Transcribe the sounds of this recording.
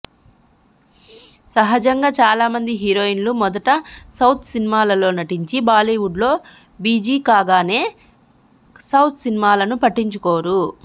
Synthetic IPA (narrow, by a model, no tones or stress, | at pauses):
sɐɦɐd͡ʒɐŋɡaːt͡ʃaːlaːmɐnd̪iɦiːɾoːinlumɔd̪ɐʈɐsɐwt̪ʰsinimaːlɐlo̞ːnɐʈiɲt͡ʃibaːliːʋuɖlo̞ː | biːd͡ʒiːkaːɡaːne̞ː | sɐwt̪ʰsinimaːlɐnupɐʈːiɲt͡ʃukoːɾu